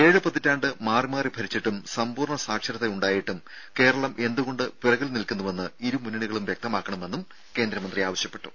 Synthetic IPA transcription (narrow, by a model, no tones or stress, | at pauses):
e̞ːɻɨpɐt̪ːitːaːɳɖɨmaːrimaːribʱɐɾit͡ɕːiʈːumsɐmpuːrɳɐsaːkʂɐɾɐt̪ːeuɳɖaːjiʈːum | ke̞ːɾɐɭɐmʔe̞nd̪uɣo̞ɳɖɨpirɐɣɐlnilkunːuʋe̞nːɨiɾumunːiɳiɣɐɭumʋjek̚t̪ɐmaːkːɐɳɐme̞nːum | ke̞ːnd̪ɾɐmɐnd̪rijaːʋɐɕjɐpːe̞̥ʈːu̥